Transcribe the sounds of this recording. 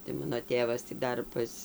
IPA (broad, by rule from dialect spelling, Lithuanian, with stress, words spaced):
tɐɪ ˈmɑːnoː ˈtʲeːʋɐs tʲiː ˈdɐr pɐs